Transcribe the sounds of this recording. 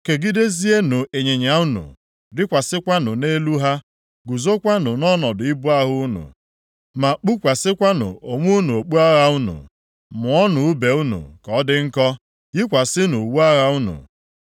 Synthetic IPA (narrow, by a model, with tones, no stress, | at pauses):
ke˨ɡi˦de˦zi˦e˦nu˨e˨ɲe˨ɲa˨˦u˦nṵ˨ | dɪ˦kʷa˨sɪ˦kʷa˦nʊ˨ne˦lu˦ɦa˦ | ɡu˨zo˦kʷa˦nʊ˨nɔ˦nɔ˨dʊ˨ɪ˦bu˦a˦ɦʊ˦nṵ˨ | ma˨k͡pu˦kʷa˨sɪ˦kʷa˦nʊ̰˨o˨ŋʷu˦nu˨o˨k͡pu˦a˦ɣa˦u˦nṵ˨ | mʊ˨ɔ˦nʊ˨u˦be˨u˦nṵ˨kɔ˨˦dɪ˦ŋ̩˦kɔ˦ | jɪ˦kʷa˨sɪ˦nu˨wu˦a˦ɣa˦u˦nṵ˨